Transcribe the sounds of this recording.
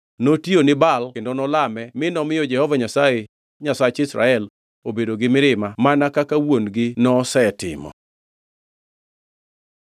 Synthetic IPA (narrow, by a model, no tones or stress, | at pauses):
notjonɪbalkendonɔlamɛmɪnɔmɪjɔd͡ʒɛhɔvaɲasaje | ɲasat͡ʃɪsɾa̰ɛl | obedoɡɪmɪɾɪmamanakakawonɡɪnɔsɛtɪ̰mɔ̰